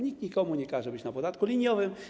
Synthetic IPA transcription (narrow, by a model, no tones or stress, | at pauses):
ɲikɲikɔmuɲɛkaʐɛbɘt͡ɕnapɔd̪at̪kulʲiɲjɔvɘm